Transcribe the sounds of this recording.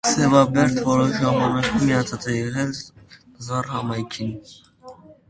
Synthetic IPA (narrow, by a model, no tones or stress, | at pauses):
sɛvɑbɛɾt̪ʰvɔɾɔʃʒɑmɑnɑkʰumijɑt͡sʰɑt͡sɛjɛʁɛl | zɑrhɑmɑjkʰin